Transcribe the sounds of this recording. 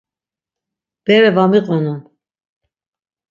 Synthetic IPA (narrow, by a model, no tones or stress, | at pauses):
b̥ɛɾɛvamiqʼɔnum